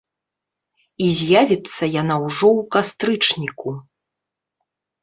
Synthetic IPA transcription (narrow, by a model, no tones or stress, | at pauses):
izʲjavʲit̪sːɐjanawʐɔwkast̪ɾɨt͡ʂnʲiku